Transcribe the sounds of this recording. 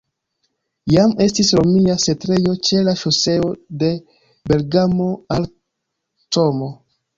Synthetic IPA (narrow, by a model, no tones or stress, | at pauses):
jame̞stisɾomiasetɾe̞jo̞t͡ʃe̞laʃose̞o̞de̞ | be̞lɡamo̞al | tomo̞